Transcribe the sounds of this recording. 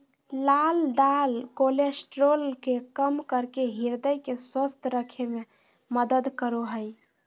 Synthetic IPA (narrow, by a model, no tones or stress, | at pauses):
lald̪alkolesʈɾolkekəmkəɾkeɦiɾd̪əjkeswəst̪ʰɾəkʰeme | məd̪əd̪kəɾuɦəj